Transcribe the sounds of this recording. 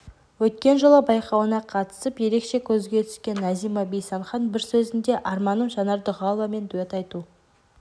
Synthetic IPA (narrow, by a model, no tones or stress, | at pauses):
wɵt̪kʲe̞nʒəlˠəbɑjqɑwənɑqʰɑt̪ə̥səpje̞ɾe̞kʃe̞kʲʰɵzɡʲe̞t̪ʰʏskʲe̞nːæzijmɑbejsɑɴχɑnbɪɾsɵzɪnd̪e̞ʔɑrmɑnəɴʒɑnɑɾd̪əʁɑlˠvɑme̞nd̪uet̪ɑjt̪u